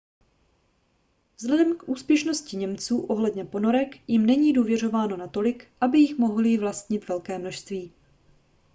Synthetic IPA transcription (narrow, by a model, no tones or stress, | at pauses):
vzɦlɛdɛmkʔuːspjɛʃno̞scɪɲɛmt͡suːʔo̞ɦlɛdɲɛpo̞no̞ɾɛkjɪmnɛɲiːduːvjɛr̝ovaːno̞nat̪o̞lɪkʔabɪjɪxmo̞ɦlɪvlast̪ɲɪt̪vɛlkɛːmno̞ʃst̪viː